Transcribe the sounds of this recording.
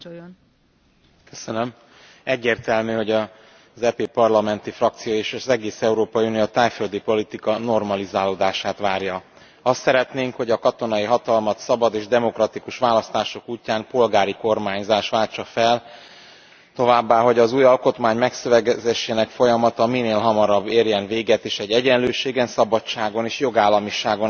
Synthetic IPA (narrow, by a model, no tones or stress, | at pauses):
jon | køsønøm | ɛɟːeːrt̪ɛlmyːɦo̞ɟɒ | zɛːpeːpɒrlɒmɛnt̪ifrɒk̚t̪sijoːeːʃɒzɛɡeːsɛuɾoːpɒjiunijot̪aːjføld̪ipo̞lit̪ikɒno̞rmɒlizaːloːd̪aːʃaːt̪ʋaːrjɒ | ɒst̪sɛɾɛt̪neːŋkho̞ɟɒkɒt̪o̞nɒjiɦɒt̪ɒlmɒt̪sɒbɒd̪eːʒd̪ɛmo̞krɒt̪ikuʃʋaːlɒst̪aːʃo̞kuːcːaːmpo̞lɡaːɾiko̞rmaːɲzaːʃʋaːlt͡ʃɒfɛl | t̪o̞vaːbːaːɦo̞ɟɒzuːjɒlko̞t̪maːɲmɛksøvɛɡzɛʃːɛnɛkfo̞jɒmɒt̪ɒmineːlɦɒmɒɾɒbːeːrjɛnveːɡɛt̪eːʃɛɟːɛɟɛnløːʃeːɡɛnsɒbɒtt͡ʃaːɡo̞neːʃjo̞ɡaːlːɒmiʃaːɡon